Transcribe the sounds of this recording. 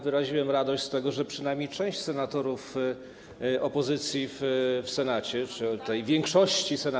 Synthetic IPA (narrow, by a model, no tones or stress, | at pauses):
vɘɾaʑiwɛmɾad̪ɔɕt͡ɕst̪ɛɡɔʐɛpʂɘnajmʲejt͡ʂɛ̃w̃ɕt͡ɕsɛnat̪ɔɾuf | ʔɔpɔzɘt̪sʲjiffsɛnat͡ɕɛt͡ʂɘt̪ɛjvʲjɛŋkʂɔɕt͡ɕisɛna